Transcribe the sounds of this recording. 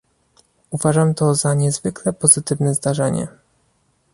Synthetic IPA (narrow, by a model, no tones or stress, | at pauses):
uvaʐamt̪ɔzaɲɛzvɘklɛpɔzɘt̪ɘvnɛzd̪aʐɛɲɛ̰